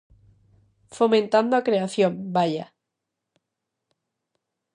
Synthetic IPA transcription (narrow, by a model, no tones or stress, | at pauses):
fomẽnt̪and̪oakɾeaθjõmbaʎa